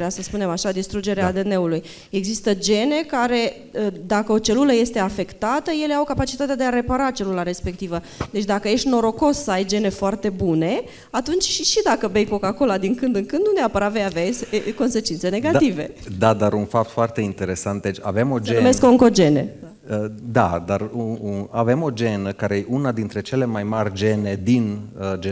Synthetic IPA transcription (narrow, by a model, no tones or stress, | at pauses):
easəspune̞maʃad̪ist̪ɾud͡ʒe̞ɾead̪e̞ne̞uluj | e̞ɡzist̪əd͡ʒe̞ne̞kaɾe̞ | əd̪akəo̞t͡ʃe̞luləje̞st̪e̞afe̞kt̪at̪əje̞le̞awkapat͡ʃit̪at̪ead̪eaɾe̞paɾat͡ʃe̞lulaɾe̞spe̞kt̪ivə | d̪e̞t͡ʃʲd̪akəje̞ʃt̪no̞ɾo̞ko̞ssəajd͡ʒe̞ne̞foart̪e̞bune̞ | at̪unt͡ʃʲʃiʃid̪akəbejko̞kako̞lad̪iŋkɨnd̪ɨŋkɨnd̪nuneapəɾat̪vejaveasko̞nse̞t͡ʃint̪se̞ne̞ɡat̪ive̞d̪ad̪aɾunfap̚t̪foart̪e̞int̪e̞ɾe̞sant̪̚d̪et͡ʃʲa̰ve̞mo̞d͡ʒenumesskoŋko̞d͡ʒe̞ne̞̰a | əd̪a̰d̪aruunave̞mo̞d͡ʒe̞nəkaɾe̞jeunad̪int̪ɾe̞t͡ʃe̞le̞majmarʲd͡ʒe̞ne̞d̪inəd͡ʒe